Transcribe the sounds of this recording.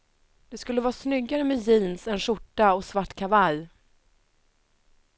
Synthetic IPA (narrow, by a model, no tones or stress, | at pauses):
d̪̥ɛskɵlːəvɑːsnʏɡːaɾəmɛjiːnsɛnʂʊʈːaɔsvaʈːkʰavaj